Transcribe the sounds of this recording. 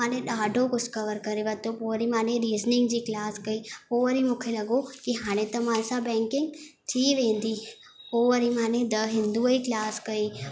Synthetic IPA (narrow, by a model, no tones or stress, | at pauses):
aːnẽɗaːɖʱokʊskəʋəɾkəɾeʋɐt̪opoɾimaːnẽɾiːznɪŋɡd͡ʒiklaːskəioəɾimʊkʰelɐɡokiɦaːñẽt̪ɐmaːnsabɛ̃ːŋkɪŋɡt̪ʰiːʋẽːnd̪ʱiː | oːʋəɾimaːned̪əɦɪ̃nd̪uəiklaːskəiː